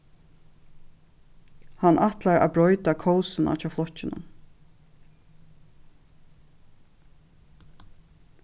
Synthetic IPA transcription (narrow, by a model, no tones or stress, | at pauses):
hanʔat̪laɾa̰ːbɹɔʏt̪akʰɔwsɪna̰t͡ʃʰaːflɔcːɪnʊ̰n